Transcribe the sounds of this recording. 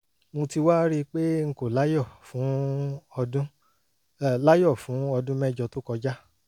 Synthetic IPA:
mũ˧ti˧wa˦ɾi˦k͡pe˦ŋ̩˨˧ko˨la˦jɔ˦˨fũ˨˦˧ | dũ˦˨ | la˦jɔ˦˨fũ˨˦ɔ˧dũ˦mɛ˦˨d͡ʒɔ˧to˦kɔ˧d͡ʒa˦

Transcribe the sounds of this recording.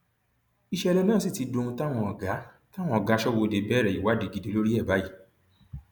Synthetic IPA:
i˧ʃɛ˦˧ɾɛ˧nãː˦˨si˦˨ti˧dõ˧ũ˧ta˦w̃ɔ̃˧ɔ˨ɡa˨˦ | ta˦w̃ɔ̃˧ɔ˨ɡa˨˦ʃɔ˦wo˧de˧bɛ˦ɾɛ˨i˨wa˨˦di˧˦ɡi˨de˨˦lo˦ɾi˦ɛ˦˨ba˨˦ji˦˨

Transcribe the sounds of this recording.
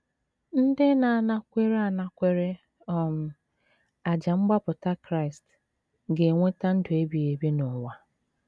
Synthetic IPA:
n̩˦dɪ˦na˨na˦kʷe˦ɾa˨na˨kʷe˦ɾe˦ | ɔ˦m̩˨ | a˨d͡ʒa˨ŋ͡m̩˦ɡ͡ba˦pʊ˨ta˦kɾa˦ɪ˨st | ɡe˨ŋʷe˦ta˦n̩˦dʊ˨e˦bi˨e˨bi˦nʊ˨ŋʷa˨

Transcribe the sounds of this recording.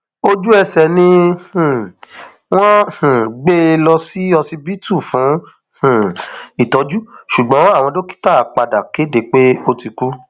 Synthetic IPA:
o˦d͡ʒu˦ɛ˧sɛ˨nĩ˧h̩˨ | w̃ɔ̃˦h̩˨ɡ͡be˦˧lɔ˧si˦ɔ˧si˦bi˦tʰu˦˨fũ˨˦ | h̩˨i˦˨tɔ˨˦d͡ʒu˦ʃu˨ɡ͡bɔ̃˨˦a˦˨w̃ɔ̃˧do˦ki̥˦ta˦˨˦k͡pa˧da˨ke˨˦de˨k͡pe˦o˦ti˧ku˦

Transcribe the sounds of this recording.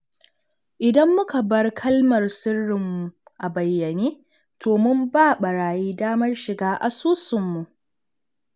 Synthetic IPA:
ʔɪ˨dɐ˦mːʊ˦ka˨bɐ˦rkʰɐ˦lmɐ˨rsɪ˦rːɪ˨mːu˨ʔa˨bɐ˨jːɐ˨neː˦ | tʰoː˨mʊ˦mbaː˦˨ɓɐ˨ɾaː˨jiː˦daː˦mɐ˦rʃɪ˨ɡaː˦ʔa˨suː˦sʊ˨mːu˨ʔ

